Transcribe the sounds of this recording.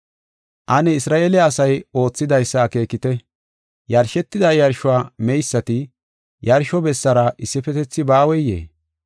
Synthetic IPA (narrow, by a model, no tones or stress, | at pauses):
ʔɐnɛɪsɾaːʔeːlɛɐsɐjo̞ːt͡sːɪd̪ɐjsːɐːke̞ːkɪt̪ɛ | jɐɾʃɛt̪ːɪd̪ɐjɐɾʃʊaːmɛjsːɐt̪ɪ | jɐɾʃɔbɛsːɐɾɐʔɪsːɪfɛt̪ɛt͡sːɪbaːwɛjːḛː